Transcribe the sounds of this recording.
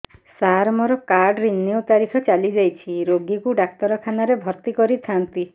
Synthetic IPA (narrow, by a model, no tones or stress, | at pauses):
saɾmɔɾɔkaɾɖɾinːiut̪aɾikʰɔt͡ʃalid͡ʒajt͡ʃʰiɾoɡikuɖak̚t̪ɔɾɔkʰanaɾebʱɔɾt̪ikɔɾit̪ʰant̪i